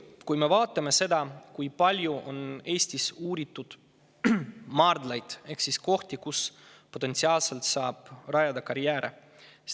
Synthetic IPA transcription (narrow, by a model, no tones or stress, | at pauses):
kujme̞vɑːt̪ːˑɑme̞se̞d̪̥ɑkujpɑlʲjuʔone̞ːsʲt̪isuːɾit̪ːˑud̪̥ | mɑːrd̪lɑjd̪̥e̞hksisko̞ht̪ikus | pot̪ent̪siɑːlse̞lt̪sɑːb̥rɑjɑd̪ɑkɑɾjæːɾʔḛ